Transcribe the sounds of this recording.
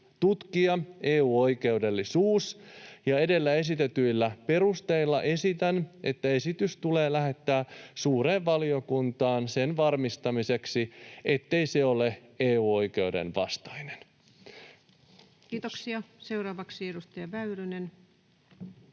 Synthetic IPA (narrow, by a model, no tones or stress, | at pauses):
t̪ut̪kiɑe̞ːuːo̞jke̞ude̞lːisuːsjɑe̞de̞lːæe̞s̬it̪et̪yjlːæpe̞ɾust̪e̞ilːɑʔe̞sit̪æne̞t̪ːæe̞sit̪yst̪ule̞ːlæɦe̞t̪ːæːsuːɾe̞ːʋʋɑlio̞kunt̪ɑːnse̞nʋɑrmist̪ɑmise̞ksiet̪ːe̞jse̞o̞le̞eːuːo̞jke̞udḛnʋɑ̰st̪ɑjnen | kiːt̪oksiɑse̞wɾɑːʋɑksiedust̪ɑjɑʋæyɾynen